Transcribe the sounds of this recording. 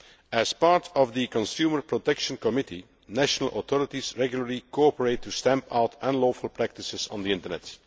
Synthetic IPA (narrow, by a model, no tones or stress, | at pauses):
æspaɹtʰɔvd̪ikɔ̃nsjuːməɹpɹɔtɛkʃə̃nkɔmɪti | næʃənəl̩ʔot̪ʰɔɹɪtizɹɛɡjʊl̩ˠəɹlikoɔpəɹeɪtʰːustæ̃mpaʊtə̃nlɔːfʊl̩ˠpɹæk̚tɪsɪz̃n̩d̪iɪ̃ntəɹnɛt